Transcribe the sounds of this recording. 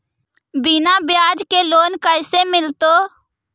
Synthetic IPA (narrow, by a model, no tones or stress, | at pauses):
bɪnabjaːd͡ʒkeloːnkəɪsemɪlt̪oː